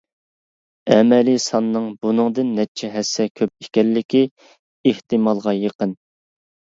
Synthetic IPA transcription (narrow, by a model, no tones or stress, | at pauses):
ɛmɛlisɑnːɨŋbunɨŋd̪ɨnːɛt͡ʃʰɛɦɛsːɛkʲʰøp̚e̥kʲɛlːɪkʲi | eht̪ɨmɑlˠʁɑjəqən